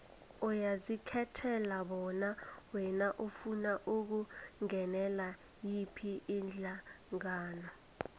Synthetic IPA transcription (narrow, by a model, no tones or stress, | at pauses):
ɔjazikʰɛtʰɛlaɓɔnawɛnaʔufunaʔuk̬uŋɛnɛla | jipʰiʔind͡ɮʱa | ŋaːnɔ